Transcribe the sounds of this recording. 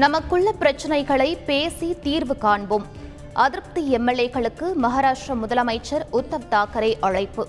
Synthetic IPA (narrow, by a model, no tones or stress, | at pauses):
nɐmɐkːʊɭːɐpɪɾɐt͡ʃːɐnɐɪɣɐɭɐɪpeːsit̪iːɾʋɯkaːɳbɯm | ʔɐðɪɾp̚t̪iɛmːɛlːeːɣɐɭɯkːɯmɐɦaːɾaːʂʈrɐmʊðɐlɐmɐɪt͡ʃːɐɾʊt̪ːɐʋt̪aːkɐɾɐɪʔɐɻɐɪpːɯ